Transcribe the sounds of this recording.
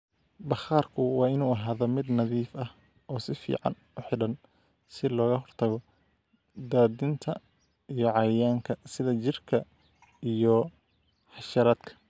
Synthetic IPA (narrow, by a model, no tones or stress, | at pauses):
bɐχaːrkʰʊwɑːɪnuːɐɦaːðɔmɪd̪nɐðiːfɐh | ɔːsɪfḭːʕɑ̰n | ʊħɪɽɐn | sɪlɔːɣɐɦɔrt̪ʰɐɣɔ | d̪aːd̪ɪnt̪ʰɐ | ijɔʕɑjaːŋkʰɐsɪðɐt͡ʃɪrkʰɐ | ijɔ | ħɑʃɐɾaːd̪kʰɐ̥